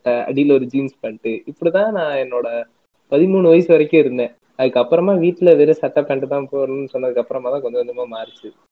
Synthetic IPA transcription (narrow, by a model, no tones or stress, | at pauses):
ɐɐ̰ɽiːlɔɾɯd͡ʒiːnspɐɳʈːɯɪpːɔɽit̪ãːnãːɛnːoːɽɐ | pɐðɪmuːɳɯʋɐjɪsɯʋɐɾɐkːʊ̃ɪɾɯnd̪ẽː | ɐðɯkːɐpːɯɾɐmaːʋiːʈːɪlɐʋeːɾesɐʈːɐpːɐɳʈːɯt̪ãːpoːɾɐnɯnːsɔnːɐðɯkːɐpːɯɾɐmaːt̪ãːkɔɲd͡ʒɔɲd͡ʒɐmaːmaːɾɯt͡ʃːɯ